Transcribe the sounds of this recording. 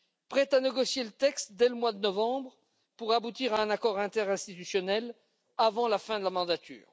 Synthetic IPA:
pχɛt̪aneɡɔsjelət̪ɛkst̪d̪ɛləmwad̪ənɔvɑ̃bʁ | puʁabut̪iʁaɛ̃nakɔʁɛ̃t̪ɛʁɛ̃st̪it̪ysjɔnɛl | avɑ̃lafɛ̃d̪əlamɑ̃d̪at̪y̰ːʁ

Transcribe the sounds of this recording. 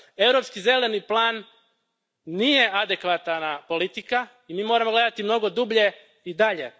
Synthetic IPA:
e̞vɾo̞pskize̞le̞niplˠaːn | ije̞ʔad̪e̞kʋat̪napo̞lit̪ika | imiːmoɾamoɡle̞d̪at̪imno̞ɡo̞d̪ubʎe̞ | id̪aʎe̞̰

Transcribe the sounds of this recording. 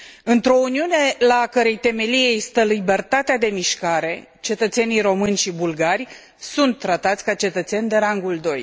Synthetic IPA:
ɨnt̪ɾo̞uniune̞lakəɾe̞jt̪e̞me̞lije̞jst̪əlibe̞rt̪at̪ead̪e̞miʃkaɾe̞ | t͡ʃe̞t̪ət̪se̞nijɾo̞mɨnʲʃibulɡarʲ | sunt̪ːɾat̪at̪sʲkat͡ʃe̞t̪ət̪se̞nʲd̪e̞ɾaŋɡuld̪o̞j

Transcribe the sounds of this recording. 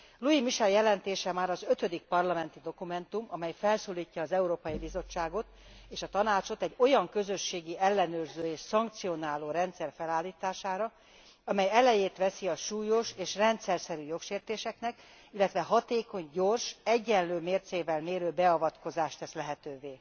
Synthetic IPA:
luimiʃɛljɛlɛnt̪eːʃɛmaːɾɒzø̞t̪ød̪ik̚pɒrlɒmɛnt̪id̪o̞kumɛnt̪umɒmɛjfɛlsoːliːcːɒːzɛuɾoːpɒjibizo̞t͡ʃːaːɡo̞t̪eːʃɒt̪ɒnaːt͡ʃo̞t̪ɛɟːo̞jɒŋkø̞zø̞ʃːeːɡiɛlːɛnøːrzøːeːʃsɒŋk̚t̪sijo̞naːloːɾɛnt̪sɛrfɛlaːlːiːt̪aːʃaːɾɒ | ɒmɛjɛlɛjeːt̪ʋɛsiɒʃuːjo̞ʃeːʃrɛnt̪sɛrsɛɾyːjo̞kʃeːrt̪eːʃɛknɛk | ilːɛt̪ʋɛɦɒt̪eːko̞ɲɟo̞rʃɛɟːɛnløːmeːrt̪seːvɛlmeːɾøːbɛɒvɒt̪ko̞zaːʃt̪ɛslɛɦɛt̪øːveː

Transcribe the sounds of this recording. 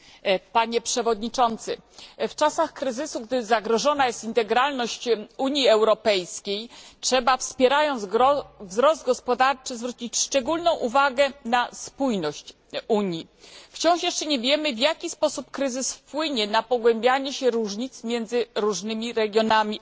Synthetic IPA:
paɲɛpʂɛvɔd̪ɲit͡ʂɔnt̪sɘft͡ʂasaxkɾɘzɘsuɡd̪ɘzaɡɾɔʐɔnajɛst̪int̪ɛɡɾalnɔɕt͡ɕuɲjiɛwɾɔpɛjskʲejtʂɛbafspʲjɛɾajɔnd̪zvzɾɔsd̪̚ɡɔspɔd̪aɾt͡ʂɘzvɾut͡ɕit͡ɕʂt͡ʂɛɡulnɔ̃w̃ʔuvaɡɛnaspujnɔɕt͡ɕ | uɲi | ft͡ɕɔ̃w̃ʂjɛʂt͡ʂɛɲɛvʲjɛmɘvʲjakʲispɔsupkɾɘzɘsfpwɘɲɛnapɔɡwɛmbʲjaɲɛɕɛɾuʐɲit̪smʲjɛnd̪zɘɾuʐnɘmʲiɾɛɡʲjɔnamʲi

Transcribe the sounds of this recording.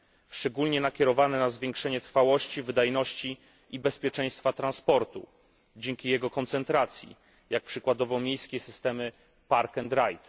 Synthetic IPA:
ʂt͡ʂɛɡulɲɛnakʲɛɾɔvanɛnazvʲjeɛŋkʂɛɲɛt̪ɾfawɔɕt͡ɕivɘd̪ajnɔɕt͡ɕi | ibɛspʲjɛt͡ʂɛ̃j̃st̪fat̪ɾanspɔɾt̪ṵ | d͡ʑɛŋkʲijɛɡɔkɔnt̪sɛnt̪ɾat̪sʲjḭ | jak̚pʂɘkwad̪ɔvɔ̃wmʲjejskʲesɘst̪ɛmɘ | paɾkɛnd̪ɾajt̪

